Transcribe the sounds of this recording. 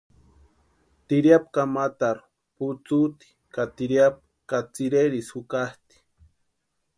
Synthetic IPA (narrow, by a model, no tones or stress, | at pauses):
t̪iɾjap̚kamat̪aɾu̥ | put͡sut̪i̥kat̪iɾjap̚ | kat͡siɾeɾisukaht̪i̥